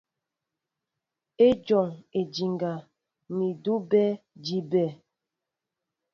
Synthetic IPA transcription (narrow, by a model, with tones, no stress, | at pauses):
e˦d͡ʒɔ˨ŋe˨d͡ʒi˨ŋɡa˨ | mi˨du˦bɛ˦d͡ʒi˦bɛ˦˨